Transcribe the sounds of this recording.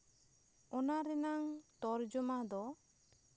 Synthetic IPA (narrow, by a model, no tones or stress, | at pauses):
ɔnaɾɛnaŋt̪ɔɾd͡ʒɔmad̪ɔ